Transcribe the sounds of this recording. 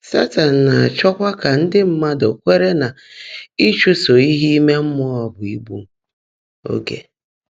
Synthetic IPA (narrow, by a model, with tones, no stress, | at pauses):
sa˦ta˨n̩˨na˨a˨t͡ʃɔ˦kʷa˦ka˨n̩˦dɪ˦m̩˦ma˦do˨kʷe˦ɾe˦na˨ | i˦t͡ʃu˦so˨i˦ɦi˦i˦me˦m̩˦mʊ˦ɔ˨bʊ˨i˦bu˦ | o̰˦ɡḛ˨